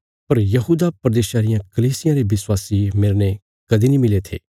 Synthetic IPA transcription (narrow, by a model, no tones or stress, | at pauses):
pɐɾjɐɦuːd̪apɾɐd̪eːʃaːɾɪjãkɐliːsɪjãɾeʋɪswaːsimeːɾnẽ | kɐd̪inĩmɪlet̪ʰḛː